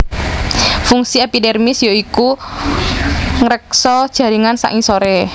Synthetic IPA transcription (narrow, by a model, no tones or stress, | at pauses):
fuŋsiepidɛrmɪsjoiku | ŋəɾək̚sɔd̥ʒ̥ä̤ɾiŋansa̰ʔŋisoɾe